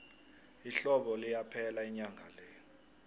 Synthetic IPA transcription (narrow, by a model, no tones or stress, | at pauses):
iɬɔɓɔlijapʰɛlaɛɲaŋʱalɛ